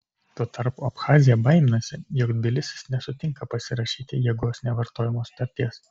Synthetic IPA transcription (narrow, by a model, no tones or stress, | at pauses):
t̪oɔt̪ɐɾpuːɐpxɑːzʲɪjɛbɐɪmʲɪnɐsʲɪjoːkd̪ʲbʲɪlʲɪsʲɪ̥snʲɛsʊt̪ʲɪŋkɐpɐsʲɪɾɐʃʲiːt̪ʲɪjɛɡoːsnʲɛʋɐɾt̪oːjɛmoːst̪ɐɾʲt̪ʲiːɛs